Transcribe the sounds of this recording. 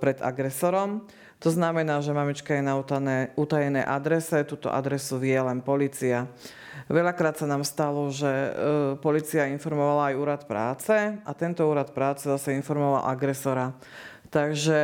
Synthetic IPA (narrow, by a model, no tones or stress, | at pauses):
pɾɛd̪a̰ɡɾɛsɔɾɔm | t̪ɔznamɛnaːʒɛmamit͡ʃkajɛnaut̪anɛːut̪ajɛnɛ̰ːʔad̪ɾɛsɛt̪uːt̪ɔ̰ʔa̰d̪ɾɛsuʋɪjɛlɛnpɔliːt͡sia | ʋɛʎakɾaːt̪sanaːmst̪alɔʒɛpɔliːt͡siainfɔɾmɔʋalaːjuːɾat̪pɾa̰ːt͡sɛʔat̪ɛnt̪ɔuːɾat̪̚pɾaːt͡sɛzasɛinfɔɾmɔʋa̰lʔaɡɾɛsɔɾa | t̪aɡʒɛ